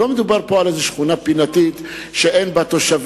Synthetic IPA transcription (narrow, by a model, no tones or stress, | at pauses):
omɪd̪ubaɾpɔlazɪʃχunapinat̪it̪ | ʃeʔenbat̪oʃav